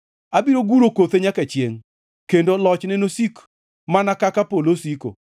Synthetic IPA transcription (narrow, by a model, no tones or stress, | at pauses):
abiɾoɡuɾokot̪eɲaket͡ʃjeŋ | kendolɔt͡ʃnɛnosik | manakakapolosiko̰